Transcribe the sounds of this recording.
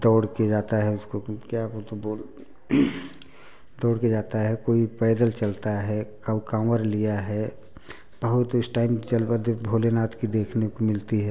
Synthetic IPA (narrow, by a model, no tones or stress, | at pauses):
d̪ɔːɽked͡ʒaːt̪aɦɛʊskokjat̪oboːl | d̪ɔːɽked͡ʒaːt̪aɦɛkoːipɛːd̪əlt͡ʃɐlt̪aɦɛkakãːwəɾlijaɦɛ | b̥əɦʊt̪ʊsʈaːɪmd͡ʒɐlbəd̪bʱoːlenaːt̪kid̪eːkʰnekomɪlt̪iɦɛː